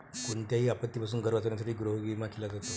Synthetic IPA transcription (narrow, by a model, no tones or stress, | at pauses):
koɳt̪jaɦiːapət̪ːipas̬uːnɡʱəɾʋat͡səʋɾjas̬aʈʰiːɡɾoɦɡimakelad͡zat̪o